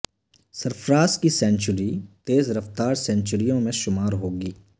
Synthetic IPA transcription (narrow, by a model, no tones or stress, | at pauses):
səɾpʰɾaːskisɛ̃ːnt͡ʃʊɾit̪eːzɾɐft̪aːɾsɛ̃ːnt͡ʃʊɾijõmẽʃʊmaːɾɦoːɡiː